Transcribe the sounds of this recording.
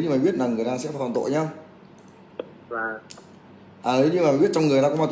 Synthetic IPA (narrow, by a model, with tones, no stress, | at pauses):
ɲɨ˧maː˨˩ɓi˦˥ət̚naː˨˩ŋɨ˨˩əjt̪aː˧sɛ̰˧˥faː˧˩t̪ɔ˨˩nt̪o̰˧˨jɲa˧wŋ͡m | vaː˨˩ | ʔaː˨˩˨ɲɨ˧maː˨˩˨ɓi˦˥ət̚t͡ɕɔ˧ŋ͡mŋ˨˩ət̪aː˧kɔ˧˥˦a˧˩t̪